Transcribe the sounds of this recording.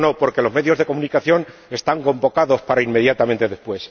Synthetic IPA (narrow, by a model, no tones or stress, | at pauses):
no̞po̞ɾke̞lo̞zme̞ðjo̞zðe̞ko̞munikaθjo̞ne̞st̪aŋko̞mbo̞kaðo̞spaɾaimme̞ðjat̪amẽ̞nt̪e̞ðespwe̞s